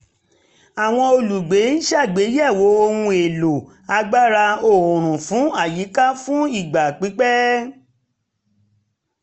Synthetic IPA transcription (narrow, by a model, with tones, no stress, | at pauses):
a˨w̃ɔ̃˧o˧lu˨ɡ͡be˨˦n̩˦ʃa˦˨ɡ͡be˨˦jɛ˦˨wo˨˧˦o˧hũ˧e˨lo˨ | a˧ɡ͡ba˦ɾa˧o˨ɾ̃ũ˨fũ˨˦a˦˨ji˨˦ka˦fũ˦i˦˨ɡ͡ba˨k͡pi˨˦k͡pɛ˦